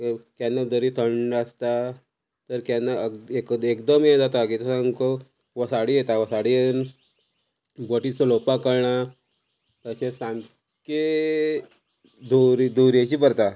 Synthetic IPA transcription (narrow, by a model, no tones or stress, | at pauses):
kjanːad̪əɾit̪ʰəɳɖəst̪a | t̪əɾkanːaekekd̪əmjed͡zat̪akit̪əsaŋko | ʋəsaɽijet̪aʋəsaɽijen | bəʈit͡səlopakəɾɳa | t̪əsesãn | ke | d̪uɾid̪uɾjet͡ɕipəɾt̪a